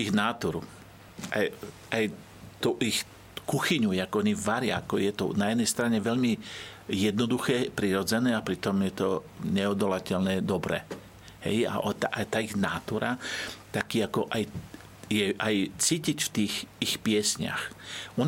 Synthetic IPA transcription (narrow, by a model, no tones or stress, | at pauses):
iɣnaːt̪uɾṵ | ʔa̰jʔaj | t̪uʔix | kuxiɲujɛakɔɲiʋaɾɪa̰akɔjɛt̪ɔ̰najɛd̪nɛjst̪ɾaɲɛʋɛʎmijɛd̪nɔd̪uxɛːpɾiɾɔd͡zɛnɛːapɾit̪ɔmjɛt̪ɔ | ɲɛɔd̪ɔlacɛʎnɛːd̪ɔbɾɛ̰ | hɛ̰ja̰ʔɔt̪aʔat̪aːiɣnaːt̪uɾat̪akiːakɔʔaj | jɛʔajt͡siːcicft̪iːxixpɪɛsɲa̰xɔn